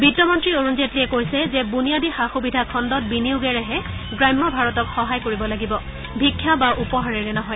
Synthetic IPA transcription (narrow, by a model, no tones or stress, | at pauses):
bidɔmɔntɹioɹunzetɹiɛkojsɛzɛbunijadixaxubidʱakʰɔndɔt̚biniuɡɛɹɛɦɛɡɹajmːɔbʱaɹɔtɔkxɔɦajkoɹibɔlaɡibɔ | bʱikʰːjabaʔupɔɦaɹiɹɛnɔɦɔj